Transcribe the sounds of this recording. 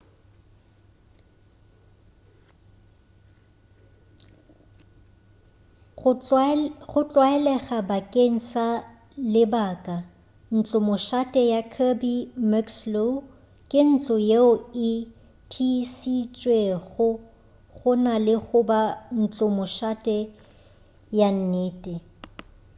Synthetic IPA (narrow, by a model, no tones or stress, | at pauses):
ɣʊt͡ɬʼwaɛlɛχabakʼeŋ̩sa | lɪbaːkʼa | n̩t͡ɬʼʊmʊʃatʼɛjakʰabimakslo | kʼɪn̩t͡ɬʼʊjeʊɪ | tʰisit͡ʃʼweɣʊ | ɣʊnalɪɣʊban̩t͡ɬʼʊmʊʃatʼɛ | jan̩neːtʼɪ